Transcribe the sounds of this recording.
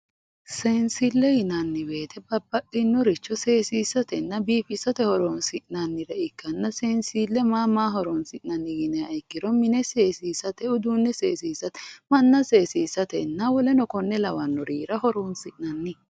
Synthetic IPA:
seːnsɪlːɛjɪnɐnːɪbe̞ːt̪ʰɛbɐbːɐʔɪnːɔɾɪt͡ʃːɔse̞ːsiːsːɐt̪ɛnːɐbiːfɪsːɐt̪ɛhɔɾoːnsɪʔnɐnːɪɾɛɪkːɐnːɐseːnsiːlːɛmaːmaːɦɔɾɔnsɪʔnɐnːɪɡɪnɛɐjkːɪɾɔmɪnɛseːsiːsɐt̪ɛʊd̪uːnːɛseːsiːsɐt̪mɐnːɐseːsiːsɐt̪ɛnːɐwɔlɛnɔkɔnːɛlɐwɐnːɔɾiːɾɐhɔɾoːnsɪʔnɐnːɪ

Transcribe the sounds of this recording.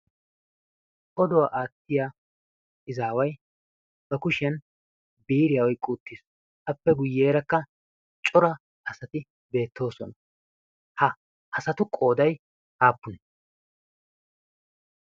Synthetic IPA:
ʔɔd̪ɔwaʔaːt̪ːɪjaː | ɪzaːwɐj | b̥ɐkʊʃɛn | biːɾɪjɐwɔjkʼuːt̪ːɪs | ʔɐpːɛɡʊjːeːɾɐkːɐ | t͡ʃʼɔɾɐ | ɐsɐt̪ɪ | be̞ːt̪ːo̞ːsɔ̰nɐ | hɐ | ʔɐsɐt̪ʊkʼo̞ːd̪ɐj | haːpːʊnɛ

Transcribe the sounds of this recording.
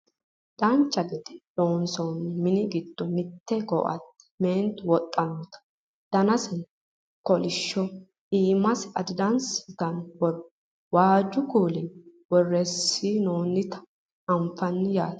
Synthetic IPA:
d̪̥ɐnt͡ʃːɐɡɪt̪ɪ̥doːnsɔnmɪnɪɡɪd̪̥ːɔmɪt̪ːɛɡɔ̰ʔɐ̰t̪ːɛ̥meːnt̪wɔt̪ʼːɐnɔt̪ɐ̥ | d̪̥ɐnɐsɪn | kɔlɪʃːɔ | ʔiːmɐsɐd̪ɪd̪ɐnsɪt̪ɐnwɔ | waːd͡ʒːʊkuːlɪnwɔrːɛsːinoːnɪt̪ɐ̥ | ɐmfɐnːɪjaːt̪

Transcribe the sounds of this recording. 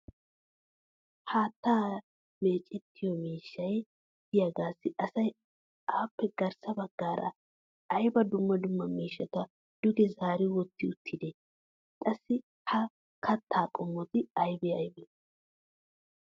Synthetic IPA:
haːt̪ːaː | meːt͡ʃʼɛt̪ʰːɪjɔmiːʃːɐj | dɪjaɡaːsːɪʔɐsɐj | aːpːɛɡɐɾsɐbɐɡːaːɾɐ̰ | ɐjbɐd̪ʊmːɐd̪ʊmːɐmiːʃːɐt̪ɐ | d̪̥ʊɡɛzaːɾɪwɔt̪ːɪʊt̪ʰːɪd̪ɛ | kʼɐsːɪ | hɐ | kʰɐt̪ʰːaːkʼɔmːɔt̪ɪɐjbɛɐjbɛ

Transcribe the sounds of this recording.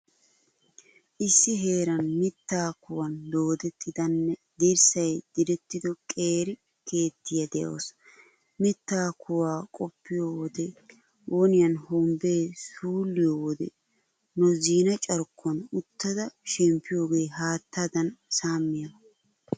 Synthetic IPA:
ʔɪsːɪɦe̞ːɾɐnmɪt̪ːaːkʊwɐnd̪oːd̪ɛt̪ːɪd̪ɐnːɛd̪iɾsɐjd̪̥ɪd̪ɛt̪ːɪd̪ɔkʼe̞ːɾɪ | ke̞ːt̪ːɪjɐd̪ɛʔo̰ːs | mɪt̪ːaːkʊwaːkʼɔpːɪjowɔd̪ɛ | wʔoːnɪjɐnhɔmbe̞ːsuːlːɪjoːwɔd̪ɛ̰ | nɔziːnɐt͡ʃʼɐɾkːɐnʊt̪ːɐd̪ɐʃɛmpːɪjo̞ːɡe̞ːɦaːt̪ːad̪ɐnsaːmːɪjɐ

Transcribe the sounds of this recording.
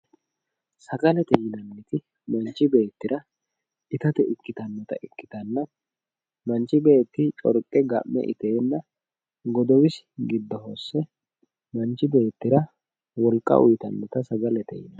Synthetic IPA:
sɐɡɐlɛt̪ɛjɪnɐnːɪt̪ɪ | mɐnt͡ʃːɪbe̞ːt̪ːɪɾɐ | ɪt̪ɐt̪ɛʔɪkːɪt̪ɐnːɔt̪ɐ̰ʔɪkːɪ̥t̪ɐnːɐ | mɐnt͡ʃːɪbe̞ːt̪ːɪt͡ʃʼɔ̰ɾkʼːɛɡɐ̰ʔːɛ̰ʔɪ̰t̪e̞ːnːɐ | ɡɔd̪ɔwɪs | ɡɪd̪ːɐɦosːɛ | mɐnt͡ʃːɪbe̞ːt̪ːɪɾɐ | wɔlkʼːɐ̰ʔʊ̰jt̪ɐnːɔt̪ɐsɐɡɐlɛt̪ɛ̰jɪnɐ

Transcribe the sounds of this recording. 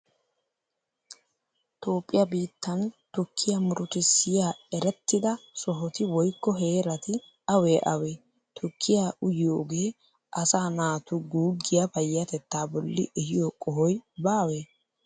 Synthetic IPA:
t̪o̞ːpʼːɪjɐbiːt̪ːɐnt̪ʊkʰːɪjɐmʊɾʊt̪ɪsɪjaːɛɾɛt̪ːɪd̪ɐsɔɦɔt̪ɪwɔjkːɔɦe̞ːɾɐt̪ɪ | ɐwe̞ːʔɐweː | t̪ʰʊkʰːɪjaːʊjɪjo̞ːɡe̞ː | ʔɐsaːnaːt̪ʊɡuːɡːɪjɐfɐjːɐt̪ɛt̪ːaːbɔlːɪ̰ʔɛhɪjokʼɔɦɔjbaːwe̞ː

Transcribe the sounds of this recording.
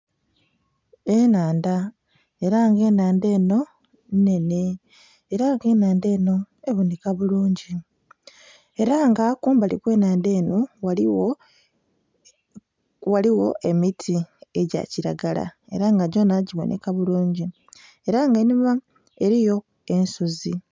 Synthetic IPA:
e̞naːnda | e̞ɾaŋɡe̞ːnaːnde̞ːno̞ | nne̞ne̞ː | ɾaŋɡe̞ːnaːnde̞ːno̞ | eβonekaβuluːɲɟi | e̞ɾaŋɡakuːmbalikwe̞ːnaːnde̞ːno̞wa | waliwo̞ʔe̞mitʰie̞ɟa̰ciɾa̰ɡala̰e̞ɾaŋɡaɟo̞naɟiβo̞̰nʔe̞̰kaβuluːɲɟi | e̞ɾaŋɡenima | eɾijo̞ | e̞nsuzi

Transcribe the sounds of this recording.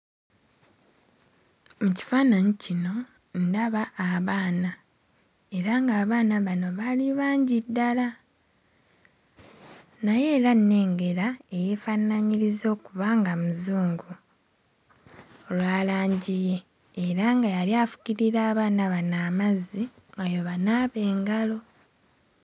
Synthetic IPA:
muci̥faːnaɲicino̞ | ndaβaːβaːna | e̞ɾaŋɡaːβaːnaβano̞βaliβaːɲɟidːala | naje̞ːɾanːe̞ːŋɡe̞ɾae̞je̞ːfanaɲiɾizo̞ːkuβaːŋɡamuzuːŋɡu | olwaːlaːɲɟije̞ː | ɾaŋɡajaliafu̥ciɾiɾaːβaːnaβanaːmazi | ŋɡajo̞βanaːβe̞ːŋɡalo̞

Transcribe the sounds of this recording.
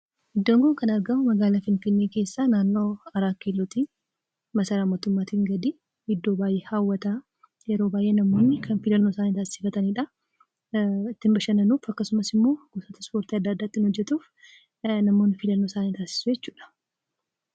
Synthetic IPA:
ʔɪd̪ːo̞ːŋɡɔŋkɐnɐɾɡɐmʊmɐɡaːlafɪnfɪnːeːke̞ːsːaːnaːnːo̞ːɐɾaːkːeːlːot̪iː | mɐsɐɾaːmo̞ːt̪ʊmːaːt̪iŋɡɐd̪i | ɪd̪ːo̞ːbaːjʔeːhaːwːɐt̪aː | jɛɾo̞ːbaːjʔe̞ːnɐmːo̞ːnːɪkʰɐnfɪlɐnːo̞ːsaːnit̪aːsɪ̥fɐt̪ɐniᶑɐ | ɪt̪ːɪmbɐʃɐnɐnuːfɐkːɐsʊmɐsɪmːo̞ːɡ̥osoːt̪ɐ̥spo̞ːɾt̪iɐd̪ːaːd̪ːaːt̪ːɪnhɔd͡ʒːɛt̪uːf | nɐmːonːɪfɪlɐnːosaːnit̪aːsɪ̥sʊjɛt͡ʃːuːᶑɐ̥

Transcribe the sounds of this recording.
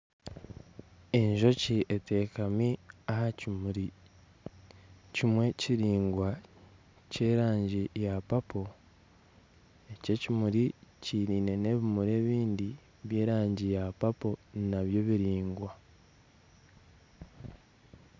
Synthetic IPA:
eɲʒo̞ciʔete̞kamiahaɾi | cimwe̞ciɾiːŋɡwa | ce̞ːɾaːɲɟijapapo̞ | e̞ce̞cimuɾiciɾiːne̞ne̞βimuɾe̞ːβiːndi | βje̞ːɾaːɲɟijapapo̞ninaβjo̞βiɾiːŋɡwa

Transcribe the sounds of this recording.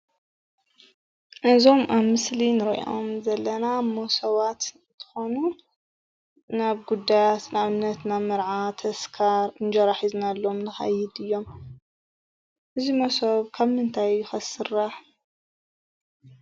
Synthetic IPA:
ʔɨzo̞mʔaβmɨslinɨɾɐ̰ʔomzɐlːɐnamosɐβat̪nt̪ʰɨ̥xonu | naβɡud̪ajat̪naβnːɐt̪namɨɾʕat̪ʰɐskʰaɾɨnd͡ʒɐɾaħiznalːomnɨxɐ̰jɪd̪ɨjːo̞m | ʔɨzimosoβkʰaβmɨnt̪ʰajːɪxɐsɨraħ

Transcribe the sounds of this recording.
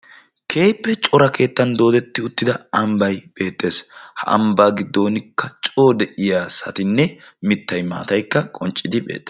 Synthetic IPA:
kʰe̞ːpːɛt͡ʃʼɔɾɐke̞ːt̪ːɐnd̪o̞ːd̪ɛt̪ːɪʊt̪ːɪd̪ɐɐmbɐjb̥e̞ːt̪ʼːe̞ːshɐ̰ʔɐ̰mbaːɡɪd̪ːo̞ːnɪkːɐt͡ʃʼo̞ːd̪ɛʔɪjaːsɐ̰t̪ɪnːɛmɪt̪ːɐjma̰ːt̪ɐjkːɐkʼɔnt͡ʃʼːɪd̪ɪbe̞̰ːt̪ʼː

